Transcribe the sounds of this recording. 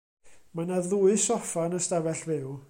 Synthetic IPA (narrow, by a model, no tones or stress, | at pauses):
manaðʊɨsɔfanəstavɛɬvɪw